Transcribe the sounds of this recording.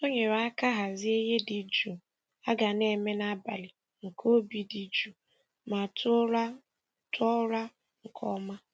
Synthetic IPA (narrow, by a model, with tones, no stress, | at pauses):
o˦ɲe˨ɾa˦ka˦ɦa˨zɪ˦e˦ɦe˦di˨d͡ʒu˨ | a˦ɡa˨ne˨me˦na˦ba˨lɪ˨ | ŋ̩˨kʰo˦bi˨di˨d͡ʒu˨ | ma˨tʰʊ˦ɾa˦ | tʰɔ˦ɾa˦ | ŋ̩˨kʰɔ˦ma˦